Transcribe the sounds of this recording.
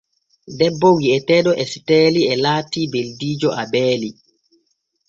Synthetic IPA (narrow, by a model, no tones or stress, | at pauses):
dɛbːɔwiɛtɛːɗɔʔɛsi̥tɛːliɛlaːtiːbeldiːd͡ʒɔʔabɛːli